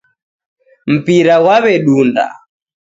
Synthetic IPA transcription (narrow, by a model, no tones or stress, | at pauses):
m̩piɾawaβɛɗunda̰